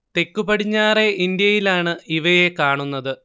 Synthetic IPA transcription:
t̪e̞kːubɐɽiɲːaːreʔind̪ijɐjilaːɳɨiʋɐjekaːɳunːɐðɨ

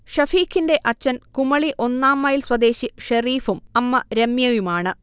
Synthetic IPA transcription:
ʂɐfiːkʰːinde̞ʔɐt͡ɕːɐnkumɐɭiʔo̞nːaːmːɐjilswɐd̪e̞ːɕiʂɐriːfumɐmːɐɾemjɐjumaːɳɨ

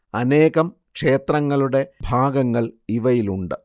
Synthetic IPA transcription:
ɐne̞ːɣɐm | kʂe̞ːt̪rɐŋːɐɭuɽe̞bʱaːɡɐŋːɐɭiʋɐjiluɳɖɨ

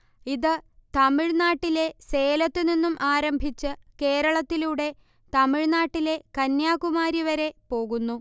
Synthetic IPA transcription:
iðɨt̪ɐmiɻnaːʈːile̞se̞ːlɐt̪ːɨninːumʔaːɾɐmbʱit͡ɕːɨke̞ːɾɐɭɐt̪ːiluɽe̞ | t̪ɐmiɻnaːʈːile̞kɐnjaːkumaːɾiʋɐɾe̞po̞ːɣunːu

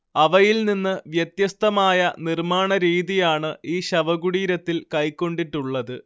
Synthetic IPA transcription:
ɐʋɐjilninːɨʋjɐt̪jɐst̪ɐmaːjɐnirmaːɳɐɾiːðijaːɳɨiːɕɐʋɐɣuɽiːɾɐt̪ːilkɐjkːo̞ɳɖiʈːuɭːɐðɨ

